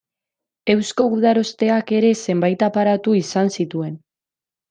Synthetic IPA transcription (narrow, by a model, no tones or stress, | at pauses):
e̞wsko̞uð̞aɾo̞st̪e̞ake̞ɾe̞se̞mbajt̪apaɾat̪uisansit̪ue̞n